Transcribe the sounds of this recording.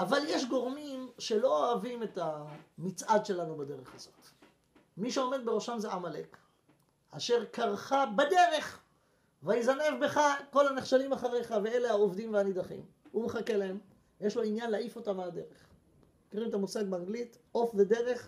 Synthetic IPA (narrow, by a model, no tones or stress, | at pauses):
ʔavaljeʃɡo̞ʁmimʃe̞lo̞oavime̞tamit͡sʔad̪ʃe̞lanubad̪e̞ʁe̞χazo̞t̪ | miʃeo̞me̞d̪̚be̞ʁo̞ʃamzeʔamale̞k | aʃe̞ʁkaʁχabad̪e̞ʁe̞χ | vajizane̞vbe̞χako̞lhaneχʃalimaχaʁeχavee̞le̞aovd̪imveanid̪aχḭm | umeχake̞lae̞m | jeʃloinjanlaifo̞tamead̪e̞ʁeχ | ekiʁimet̪amusaɡbeaŋɡlit | ʔo̞fve̞de̞ʁe̞χ